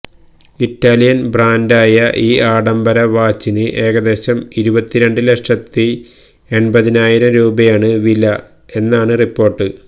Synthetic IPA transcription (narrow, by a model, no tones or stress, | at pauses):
itːaːlijɐnbraːndaːjɐʔiːaːɽɐmbɐɾɐʋaːt͡ɕːinɨʔe̞ːɣɐd̪e̞ːɕɐmiɾubɐt̪ːiɾe̞ɳɖɨleʂɐt̪ːi | e̞ɳbɐðinaːjiɾɐmɾuːbɐjaːɳɨʋilːɐ | e̞nːaːɳɨripːo̞ːrʈːɨ